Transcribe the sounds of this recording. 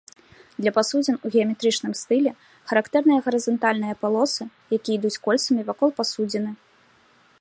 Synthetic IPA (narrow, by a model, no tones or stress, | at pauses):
d̪lʲɐpasud͡zʲɛnuɣʲɛɐmʲɛt̪ɾɨt͡ʂnɨmst̪ɨlʲɛ | xɐɾakt̪ɛrnɨjɐɣɐɾɨzɐnt̪alʲnɨjɐpalˠɔsɨ | jakʲijid̪ut͡sʲkɔlʲt̪sɐmʲivakɔlˠpasud͡zʲɛnɨ